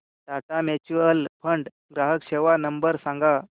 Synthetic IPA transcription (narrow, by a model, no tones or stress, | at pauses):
d̪at̪amet͡ɕuəlpʰəɳɖ | ɡɾaɦəkɕeʋanəmbəɾsãŋɡa